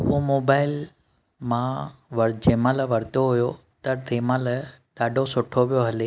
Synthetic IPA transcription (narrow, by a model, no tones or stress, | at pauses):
ɦumoːbaːɪl | mãʋɐɾd͡ʑẽːmãlɐʋɐɾt̪oɦʊjo | t̪ɐt̪ʰeːmãːlɐɖaːɖʱosʊʈʰoʋijoɦɐle